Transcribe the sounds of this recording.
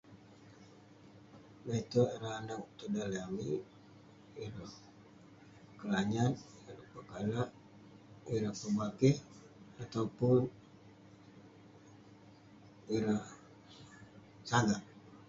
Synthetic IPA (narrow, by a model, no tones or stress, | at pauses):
nait̪oiɾaanak̚t̪udaliami | iɾah | kəlaɲan | iɾapakalaʔ | iɾahpəbakih | at̪aupʊn | iɾah | sadaŋ